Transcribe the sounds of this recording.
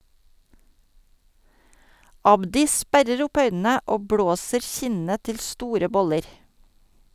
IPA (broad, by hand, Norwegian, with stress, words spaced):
ˈɑbdɪ ˈspæɾəɾ ˈʊp ˈœʏnn̩ə ˈoː ˈbɽoːsəɾ ˈçɪnə ˈtɪl ˈstuːɾə ˈbɔləɾ